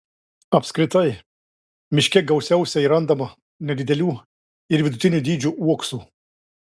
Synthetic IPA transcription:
ɐpsʲkɾʲɪt̪ɐɪ | mʲɪʃʲkʲɛɡɐwsʲɛʊsʲɛiɾɐnd̪ɐmɐ | nʲɛd̪ʲɪd̪ʲɛlʲuː | ɪɾʋʲɪd̪ʊt̪ʲɪnʲud̪ʲiːd͡ʒʲuʔuɔksu

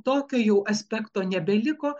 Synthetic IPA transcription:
t̪oːkʲoːjɛʊʔɐsʲpʲɛkt̪oːnʲɛbʲɛlʲɪkoː

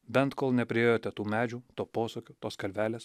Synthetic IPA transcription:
bʲɛnt̪koːlˠnʲɛpʲɾʲɪjejoːt̪ʲɛt̪uːmʲæːd͡ʒʲuːt̪oːpoːsokʲʊt̪oːskɐlʲʋʲæːlʲeːs

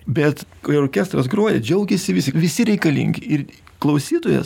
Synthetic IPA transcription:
bʲɛt̪oːrkʲæːst̪ɾɐsɡɾoːjɛd͡ʒʲɛʊɡʲɛsʲɪʋʲɪsʲɪʋʲɪsʲɪɾʲɛɪkɐlʲḭŋʲɡʲɪɪr | klˠɐʊsʲiːt̪oːjɛ̰s

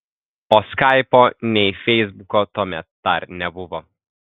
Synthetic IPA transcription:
oːskɐɪpoːnʲɛɪfʲɛɪzbʊkoːt̪oːmʲɛt̪̚d̪̥ɐɾnʲɛbʊʋoː

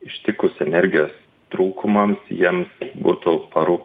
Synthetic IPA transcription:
ɪʃʲt̪ʲɪkʊsɛnʲɛɾʲɡʲɪjoːs | t̪ɾuːkʰʊmɐmsjiɛmsbʊ̰t̪ʊpɐɾʊ

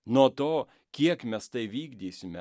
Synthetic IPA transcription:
nuɔt̪oː | kʲiɛkmʲɛst̪ɐɪʋʲiːɡd̪ʲiːsʲɪmʲɛ

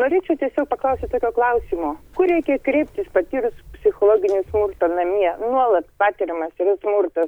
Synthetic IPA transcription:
noːɾʲeːt͡ʃʲɛʊt̪ʲiɛsʲoːk̚pɐklˠɐʊsʲt̪ʲɪt̪oːkʲoːklˠɐʊsʲiːmokʊɾʲɛɪkʲɛkɾʲɛɪpʲt̪ʲɪspɐt̪ʲiːɾʊspʲsʲɪxoːlˠoːɡʲɪnʲesmʊrt̪oːnɐmʲiɛnuɔlˠɐt̪pɑːt̪ʲɪɾʲɪmɐsiɾɐsmʊrt̪ɐs

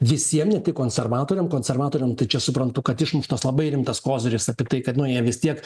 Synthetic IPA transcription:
ʋʲɪsʲiɛmnʲɛt̪ʲɪkoːnʲsʲɛrʋɑːt̪oːɾʲɛmkoːnʲsʲɛrʋɑːt̪oːɾʲɛmt̪ɐɪt͡ʃʲɛsʊpɾɐnt̪ʊkɐt̪ɪʃmʊʃt̪oːslˠɐbɐɪɾʲɪmt̪ɐskoːzʲʊɾʲɪsɑpʲiɛt̪ɐɪkɐt̪nʊjɛʋʲɪst̪ʲiɛk

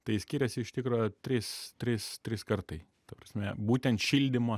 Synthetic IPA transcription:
t̪ɐɪsʲkʲiːɾʲɛsʲɪɪʃt̪ʲɪkɾoːt̪ʲɾʲɪst̪ʲɾʲɪst̪ʲɾʲɪskɐɾt̪ɐɪ | t̪ɐpɾɐsʲmʲɛbuːt̪ʲɛnt̪ʃʲilʲd̪ʲɪmoː

